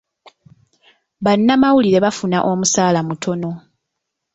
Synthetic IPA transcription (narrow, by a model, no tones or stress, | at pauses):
βanːamawuliɾe̞βafunaʔo̞musaːlamutʰo̞no̞